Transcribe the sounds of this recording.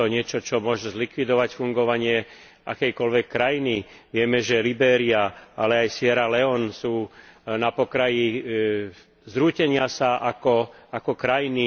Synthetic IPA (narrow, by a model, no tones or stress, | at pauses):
ɔɲɪɛt͡ʃɔt͡ʃɔmʊɔʒɛzlikʋid̪ɔʋacfuŋɡɔʋaɲɪɛ | ʔa̰kɛjkɔlʋɛkːɾajini | ʋɪɛmɛʒɛlibɛːɾiaalɛajsɪɛɾalɛɔnsuːnapɔkɾaji | zɾuːcɛɲɪasaʔakɔakɔkɾajini